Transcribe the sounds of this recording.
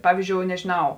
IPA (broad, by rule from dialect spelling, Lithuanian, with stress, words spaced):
ˈpɑːʋʲiːzʲˌd͡ʒʲoːʊ nʲɛʒʲɪˈnɐʊ